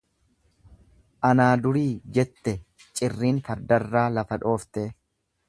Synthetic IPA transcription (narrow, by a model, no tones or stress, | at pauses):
ʔɐnaːd̪ʊɾiːd͡ʒɛt̪ːɛ | t͡ʃʼɪrːiːnfɐɾd̪ɐrːaːlɐfɐᶑo̞ːft̪eː